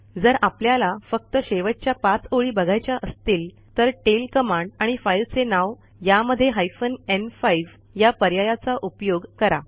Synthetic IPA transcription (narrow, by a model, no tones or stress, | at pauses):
d͡zəɾapljalafək̚t̪əɕeʋət͡ɕjapãt͡soɭiːbəɡʱajt͡ɕjaʔəst̪iːl | t̪əɾʈelkəmãɳɖaɽ̃ifailt͡senaʋ | jaməd̪ʱːjeɦajfənenfaiʋ | japəɾjajat͡saʔupjoɡkəɾa